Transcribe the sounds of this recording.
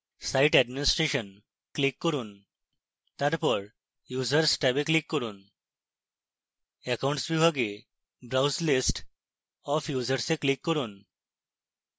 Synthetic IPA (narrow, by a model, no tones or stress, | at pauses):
saiʈɛɖminisʈɾeɕən | klikːəɾuːn | t̪jaɾpəɽ | jud͡zəɾsʈɛbeklikːəɾuːn | ɛkaw̃ɳʈsʋibʱaɡe | bɾawslisʈ | ɔfjuzəɾsẽklikːəɾuːn